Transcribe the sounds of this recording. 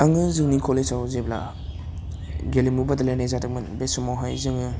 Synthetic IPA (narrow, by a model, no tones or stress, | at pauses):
aŋɯzɯŋnikʰolesawzebla̰ | ɡelimubadalajnajzadɯk̚mɯnbesumawɦajzɯŋɯ